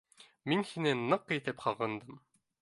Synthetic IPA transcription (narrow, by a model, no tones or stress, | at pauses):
minhinɘnɤqit̪ɘpχɑʁɤ̆nd̪ɤm